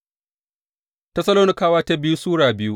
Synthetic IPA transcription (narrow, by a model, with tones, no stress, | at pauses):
tɐ˦sɐ˦loː˦nɪ˦kaː˨˦waː˦ta˦bɪ˦ju˦suː˦ɽaː˨bɪ˦ju˦